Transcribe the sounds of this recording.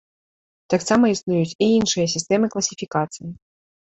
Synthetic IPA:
t̪aksamɐisnujut͡sʲiinʂɨjɐsʲist̪ɛmɨklˠɐsʲifʲikat̪sɨji

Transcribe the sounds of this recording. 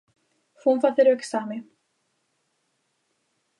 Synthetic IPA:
funfaθɪɾœksaːmɪ

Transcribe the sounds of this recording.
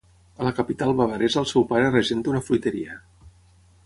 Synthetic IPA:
ələkəpit̪alˠβaβəɾɛzəlˠsɛwpaɾərəʒent̪unəflujt̪əɾḭə

